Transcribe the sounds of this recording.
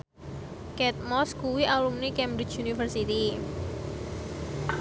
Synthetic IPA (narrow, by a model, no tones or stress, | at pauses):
kɛt̪̚mɔskuwiʔalumnikɛmbɾit͡ʃunifərsit̪i